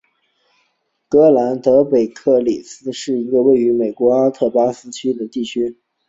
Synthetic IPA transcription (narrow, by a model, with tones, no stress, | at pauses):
kɤ˧˥la˧˥nt̪ɤ˧˥pe˨˩ɪkʰɤ˥˩li˨˩sɹ̩˥ʂɻ̩˥˩i˧˥ɡə˧we˥˩ɪy˧˥me˨˩ɪkwɔ˧˥a˥t̪ʰɤ˥˩pa˥sɹ̩˥t͡ɕʰy˥d̪ə˨t̪i˥˩t͡ɕʰy˥